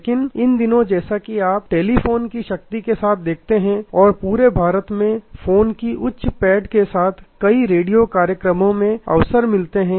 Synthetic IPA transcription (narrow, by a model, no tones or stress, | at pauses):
kɪnɪnd̪ɪnõd͡ʒɛːsakiaːp̚ʈeːlifoːnkiʃɐk̚t̪ikesaːt̪̚ʰd̪eːk̚ʰt̪eɦɛ̃ɔːɾpuːɾebʱaːɾət̪mẽfoːnkiʔʊtːʃpɛːɖkesaːt̪ʰkɐiɾeːɖijokaːɾjəkɾəmõmẽɐ̰ʋsəɾmɪlt̪eɦɛ̃ː